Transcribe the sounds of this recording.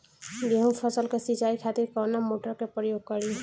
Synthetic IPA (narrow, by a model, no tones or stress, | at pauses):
biɦɔ̃pʰɔsəlkesit͡ʃaikʰat̪iɾkɔwnamoʈəɾkepɾəjoɡ̚kɔɾi